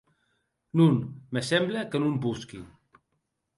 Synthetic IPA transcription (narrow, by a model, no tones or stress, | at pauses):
nunmesɛmbləkənumbuski